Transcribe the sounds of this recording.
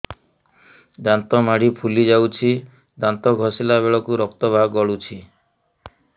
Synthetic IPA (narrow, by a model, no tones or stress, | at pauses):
d̪ant̪ɔmaɽipʰulid͡ʒawt͡ʃʰi | d̪ant̪ɔɡʱɔsilabeɭɔkuɾɔkt̪ɔbʱaɡɡɔɭut͡ʃʰi